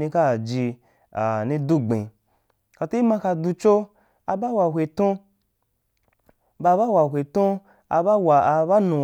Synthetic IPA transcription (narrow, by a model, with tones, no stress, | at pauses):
nĩ˧ka˦˨d͡ʒi˧ | a̰˨nĩ˧du˦ɡ͡bḛ̃˨ | ka˨ti˦i˦mã˧ka˧du˧t͡ʃo˦ | a˧ba˦wa˨ɦʷe˨tõ˦ | ba˧˦ba˦wa˨ɦʷe˨tũ˦ | a˧ba˦wa˨˧ba˦nũ˨